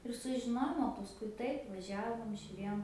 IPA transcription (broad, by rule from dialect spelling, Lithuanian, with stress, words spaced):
ɪr sʊʒʲɪˈnoːjoːm oː pɐsˈkʊɪ ˈtɐɪp ʋɐˈʒʲæːʋoːm ʒʲʊˈrʲeːjoːm